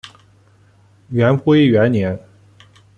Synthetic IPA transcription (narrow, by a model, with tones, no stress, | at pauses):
ɥɛ˧˥npu˥i˥˩ɥɛ˧˥nnjɛ˧˥n